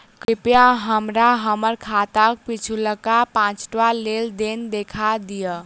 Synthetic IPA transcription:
kɾipjãɦəmɾaɦəməɾkʰat̪ək̚pit͡ʃʰuləkapãt͡ʃʈʋaleld̪end̪ekʰad̪ijə

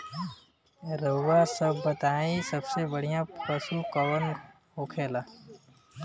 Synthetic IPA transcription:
ɾəʋaːsəbːət̪aːĩsəbsebəɽ̤ijãːpəsuːkəʋən | ɦoːkʰeːlaː

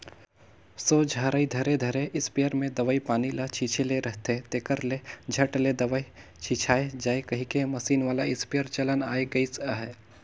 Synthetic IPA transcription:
soːd͡ʒʱaːɾəid̪ʱɐɾed̪ʱəɾeʔɪspejəɾmẽd̪əʋəipaːnilat͡ʃʰiːt͡ʃʰeleɾəɦt̪et̪eːkəɾled͡ʒʱɐʈled̪əʋəi | t͡ʃʰiːt͡ʃʰaːed͡ʒaːekɐɦikemɐsiːnʋaːlaɪspijəɾt͡ʃɐlənaːeɡəisəɦɛː

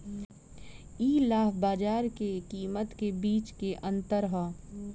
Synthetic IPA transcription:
iːlaːɦbaːd͡ʒaːɾkekiːmət̪kebiːt͡ʃkeʔɐ̃nt̪əɾɦə

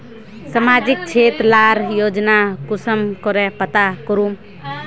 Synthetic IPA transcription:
səmad͡ʒik̚t͡ʃʰeːt̪ɾlaɾjoːd͡ʒnakusəmkɔɾɛpət̪akɔɾum

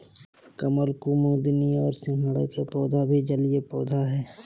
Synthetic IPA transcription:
kəməlkuːmõd̪ɪnijɔ̰ːɾsɪ̃ŋɦəɽekepɔːd̪ʱabʱid͡ʒəlijepɔːd̪ʱaɦɛː

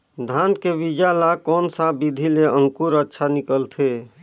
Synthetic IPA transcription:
d̪ʱankebid͡ʒalakɔːnsabid̪ʱileəŋkuɾətːʃʰanikəlt̪ʰe

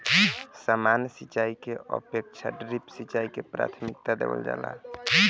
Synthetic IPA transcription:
samansit͡ʃaikeʔə̰pek̚t͡ʃʰaɖɾipsit͡ʃaikepɾa̰t̪ʰmikt̪ad̪ḛbə̰ld͡ʒa̰ːla̰

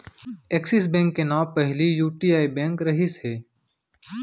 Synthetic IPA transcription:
eːksɪs̬bɛ̃ːŋkːenaːpəɦlijuːʈiːaːibɛ̃ːŋkɾɐɦɪsɦeː

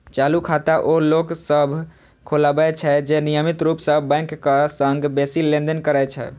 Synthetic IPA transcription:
t͡ʃalukʰat̪aʔoloksəbʱ | kʰolabɛt͡ʃʰɛd͡ʒenijəmit̪ɾupsəbbɛ̃ɪŋkːasəŋɡbesilẽnd̪ənkəɾɛt͡ʃʰɛ̰

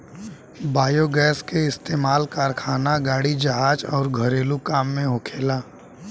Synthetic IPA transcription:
baːjoɡɛːskeɪst̪eːmaːlkaːɾkʰaːnaɡaːɽid͡ʒɐɦaːd͡ʒɔːɾɡʱəɾeːlukaːmːẽɦʊkʰeːlaː

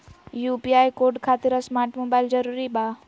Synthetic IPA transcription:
juːpiaːjkoːɾɖkʰaːt̪iɾɐsmaːɾʈmoːbaːɪld͡ʒɐɾuːɾibaː

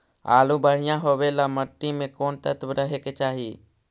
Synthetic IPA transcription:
a̰ːlubəɽ̤ɪjãɦoːʋelaːməʈːimẽkoːnt̪ə̰t̪bɾəɦeket͡ʃaːɦiː

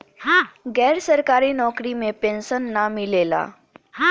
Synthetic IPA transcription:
hãɡɛːɾsɐɾkaːɾinɔːkɾimẽpẽnsənːamɪleːla̰ː | ɦã

